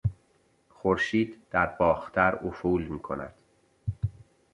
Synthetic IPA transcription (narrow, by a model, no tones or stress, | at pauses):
xoɾʃiːd̪d̪̥æɾbɒːxt̪ʰæɾofuːlmiːkʰo̞̰næ̰d̪̥